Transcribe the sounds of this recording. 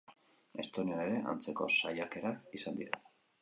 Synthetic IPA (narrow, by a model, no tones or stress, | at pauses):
e̞st̪o̞niaeɾe̞ʔa̰nt͡se̞ko̞̰sajake̞ɾakisand̪iɾa